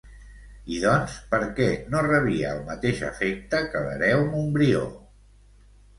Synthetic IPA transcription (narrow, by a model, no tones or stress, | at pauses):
iðɔnspəɾkɛnorəβiəːlˠmət̪eʃə̰fɛk̚t̪əkələ̰ɾɛwmumbɾio̰